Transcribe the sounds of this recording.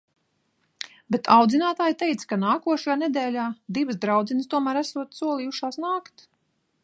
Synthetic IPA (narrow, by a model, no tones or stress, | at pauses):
bet̪ʰawd̪zinaːt̪aːjt̪ɛjt̪skanaːkuɔʃajaːnɛd̪ɛːlʲaːd̪ivɨsd̪ɾawd̪zinəst̪uɔmæːɾæsuɔt̪suɔlˠiːuʃaːsnaːkt̪